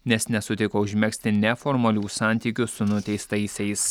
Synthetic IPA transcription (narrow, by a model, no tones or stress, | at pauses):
nʲɛsnʲɛsʊt̪ʲɪkoʊʒʲmʲɛksʲt̪ʲɪnʲɛfɔɾmɐlʲuːsɑˑnʲt̪ʲiːkʲʊsʊnʊt̪ʲɛɪst̪ɐɪsʲɛɪs